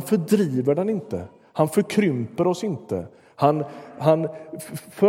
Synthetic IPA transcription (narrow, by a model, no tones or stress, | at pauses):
nfœɖɾiːvəɖɛnɪnt̪ə | hanfœɾkʰɾʏmpəɾɔsɪnt̪ə̰ | hanɦan | fœ